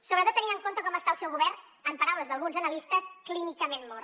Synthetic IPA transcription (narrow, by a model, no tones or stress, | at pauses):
soβɾt̪ot̪ːənĩəŋkont̪əkɔməst̪aəlˠsɛwɣuβɛɾn | əmpɐɾawləzðəlˠɣunzənəlist̪əsklinikəmenmɔɾ